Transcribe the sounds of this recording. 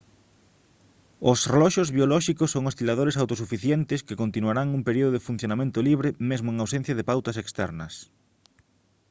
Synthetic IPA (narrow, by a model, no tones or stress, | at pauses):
osrelɔʃozβjolɔʃikosːoŋost̪ilað̞oɾesawt̪os̬ufiθjent̪ɪskɪkont̪inuaɾaŋumpeɾioðoðɪfun̟θjonamẽnt̪oliβɾɪmezmoʊeŋawsen̟θjɐðɪpawt̪ɐsekst̪ɛ̰ɾnɐs